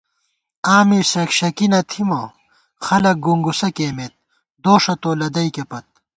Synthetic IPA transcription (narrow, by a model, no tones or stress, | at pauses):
aːmisɐkɕɐkinɐt̪ʰimo | xɐlɐk̚ɡuŋɡusɐkeːmet̪̚ | d̪oːʂɐt̪oːlɐd̪ɐjkepɐt̪̚